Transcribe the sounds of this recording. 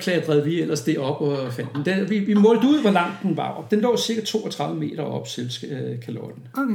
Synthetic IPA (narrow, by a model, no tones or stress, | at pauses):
kʰlɛːɐd̥ʁɛðˠʋiel̰ɐsd̥e̝ɒ̽b̥ɒfæn̰d̥nd̥eʋiʋimɔ̽ːld̥əuð̞̰ˠʋɒlɑ̈m̰d̥n̩ʋɑ̈d̥enlɔ̰ːsiɐɡ̥æt͡sʰo̝̰ːɒt͡sʰʁɑ̈ðˠʋəme̝̰ːɾ̥ɐɒ̽b̥selskʰælɒd̥n̩